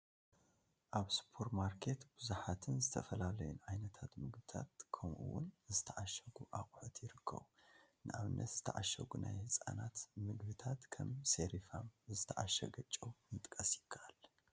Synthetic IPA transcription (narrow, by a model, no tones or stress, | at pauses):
ʔaβspʰo̞ɾmaɾkʰe̞t̪b̥ɨzuħat̪ʰɨnzɨt̪ʰɐfɐlalɐjunʕajnɐt̪ʰat̪mɨɡbɨt̪ʰa̰t̪̚kʰɐmʔṵwːʊnzɨt̪ʰɐʕaʃɐɡuʔaχʼħɨt̪jɪɾɨkʰːɐ̰βunɨʔaβɨnʔːɐ̰t̪z̥ɨt̪ʰɐʕaʃɐ̰ɡuna̰jhɨsʼa̰nat̪mɨɡbɨt̪ʰat̪kʰɐmseɾifamzɨt̪ʰɐʕaʃɐɡɐt͡ʃʼːowmɨt̪ʼkʼɐsjɪkʰːaʔal